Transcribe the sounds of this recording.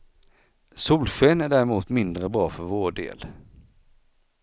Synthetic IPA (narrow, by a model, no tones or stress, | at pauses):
suːlɕeːnæɖæːɾɪmuːt̪mɪnd̪ɾəbɾɑːfœɾvoːɖḛːl